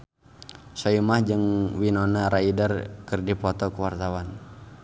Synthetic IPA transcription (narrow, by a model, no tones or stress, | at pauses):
sɔumahd͡ʒɨŋwinɔnaɾaidərkərdipɔt̪ɔkəwart̪awan